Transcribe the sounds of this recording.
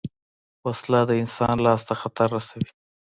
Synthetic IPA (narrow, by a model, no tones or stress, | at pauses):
waslad̪əɪnsɑnlɑst̪axat̪aɾːasawi